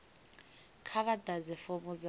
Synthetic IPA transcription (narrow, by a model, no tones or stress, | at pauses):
kʰaβadad͡zɛfomʊd͡za